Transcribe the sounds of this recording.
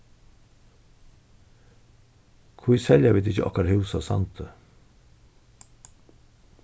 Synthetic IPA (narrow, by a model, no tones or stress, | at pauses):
kʰujsɛljaviːd̪ɪçəʔɔ̰hkaɾhʉwsasa̰nt̪ʰə